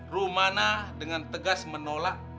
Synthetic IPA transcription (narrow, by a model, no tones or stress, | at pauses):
rumanadəŋant̪əɡasmənolak̚